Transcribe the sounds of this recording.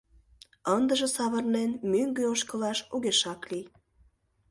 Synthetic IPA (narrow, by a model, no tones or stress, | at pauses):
ənd̪əʒĕsɑβə̆rlenmyŋɡøoʃkəlɑʃuɣeʃɑklij